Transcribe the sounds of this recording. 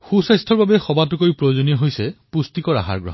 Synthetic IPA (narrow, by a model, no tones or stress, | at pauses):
xusajstʰɔɹbabɛxɔbatʊkojpɹojozoniɔɦojsɛpustikɔɹa̰ɦa̰ɹɡɹɔɦ